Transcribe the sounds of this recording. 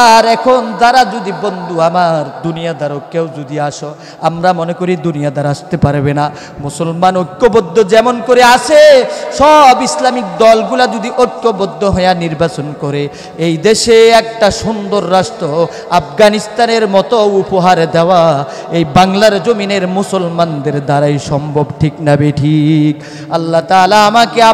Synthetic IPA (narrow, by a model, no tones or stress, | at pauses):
aɾɛkʰond̪aɾad͡ʒud̪ibond̪ʱuamaɾd̪unijad̪aɾokewd͡ʒud̪iaʃo | amɾamonekoɾid̪unijad̪aɾaʃt̪epaɾbena | musolmanokːobod̪ʱːod͡ʑɛmonkoɾeat͡ʃʰeʃɔbislamik̚d̪ɔlɡulad͡ʑud̪iʔojkːobod̪ʱːoɦɔjaniɾbat͡ɕonkɔɾe | ejd̪eʃeɛk̚ʈaʃund̪oɾːasʈ̪o | afɡanist̪aneɾmɔt̪oupoɦaɾd̪ɛoa | ejbaŋlaɾd͡ʑomineɾmusolmand̪eɾd̪aɾajʃɔmbʱobʈʰiknabeʈʰik | alːat̪aːlaamakea